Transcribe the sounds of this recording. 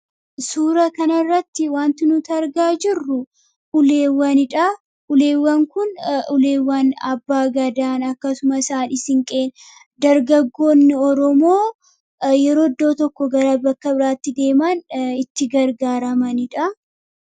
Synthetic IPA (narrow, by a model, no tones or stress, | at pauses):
suːɾɐkɐnɐrːɐt̪ːɪwaːnt̪ɪnʊt̪ɐɾɡaːd͡ʒɪrːʊ | ʔʊle̞ːwːɐnɪᶑɐ | ʔʊle̞ːwːɐŋkʊnʊle̞ːwːɐnɐbːaːɡɐd̪aːnɐkːɐsʊmɐsaːnɪsɪŋkʼe̞ːn | d̪ɐɾɡɐɡːo̞ːnːɪɔɾɔmo̞ː | jɛɾo̞ːd̪ːo̞ːt̪ɔkːɔɡɐɾɐbɐkːɐbɪɾaːt̪ːɪd̪e̞ːmɐnɪt̪ːɪɡɐɾɡaːɾɐmɐnɪᶑɐ